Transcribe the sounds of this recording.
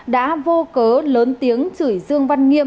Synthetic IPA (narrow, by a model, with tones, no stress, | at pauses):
ɗa̰ː˧˥vo˧kəː˨˦ləː˨˦nt̪i˨˦əŋt͡ɕɨ˧˩jzɨ˧əŋva˧nŋi˧əm